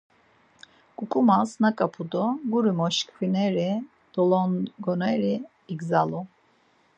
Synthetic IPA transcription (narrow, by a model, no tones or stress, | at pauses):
kʼukʼumasnakʼapʰud̪ɔɡuɾimɔʃkfinɛɾi | d̪̥ɔlɔnɡɔnɛɾi | iɡzalu